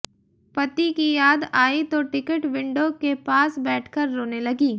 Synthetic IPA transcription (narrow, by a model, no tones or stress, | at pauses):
pɐt̪ikijaːd̪aːit̪oʈɪkəʈʋɪ̃ɳɖokepaːsbɛːʈʰkɐɾːoːnelɐɡiː